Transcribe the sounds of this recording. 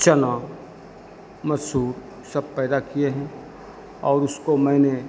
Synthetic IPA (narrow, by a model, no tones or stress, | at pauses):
t͡ʃəna | mɐsuːɾ | sɐb̚pɛːd̪akijeɦɛ̃ | ɔːɾʊskomɛ̃ːne